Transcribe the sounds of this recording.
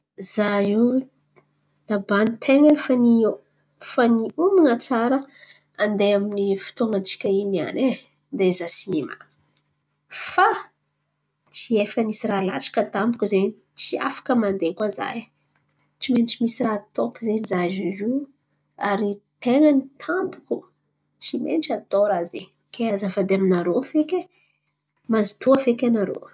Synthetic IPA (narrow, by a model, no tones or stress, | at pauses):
zai | labanit̪ʰeŋanifani | faniuminat͡saɾə | and̪eaminifi̥t̪oŋat͡si̥kʲəinia̰ne | d̪ezasinema̰ | fa | t͡siefənisirala̰t͡sḁkət̪ambukʲuze | t͡sia̰fḁkəmand̪ekaza̰j | t͡ʃiment͡ʃimisirat̪okizenizazizu | aɾit̪eŋanit̪ʰambu̥kʲu | t͡simḛnʈ͡ʂat̪oɾaze | keazafad̪eaminaɾofekʲe | mazi̥t̪uafekʲanaɾo̰